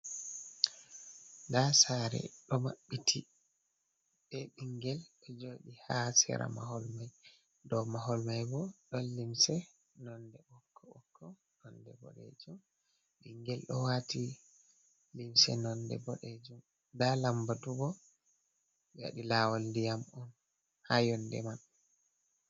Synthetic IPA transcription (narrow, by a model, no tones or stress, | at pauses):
dasaɾɛ̰ɗɔma̰ɓːitʰi | ɓɛɓiŋɡɛlɗɔd͡ʒoɗihasɛ̰ɾʔa̰maɦɔlmaj | dɔmaɦɔlmajbɔɗɔnlimsɛ | nɔndɛɓɔkʰːɔɔkʰːɔ | nɔndɛbɔ̰ɗḛd͡ʒum | biŋɡɛlɗɔwati | limsɛ̰nɔndɛ̰bɔɗed͡ʒum | dalambaduɡɔ | ja̰ɗilawɔldijamɔn | hajɔndɛ̰maɓːɛ